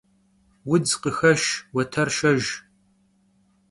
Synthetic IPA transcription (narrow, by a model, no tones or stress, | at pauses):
wʊd͡zqəxɐʃwɐtʰɐrʃɐʒ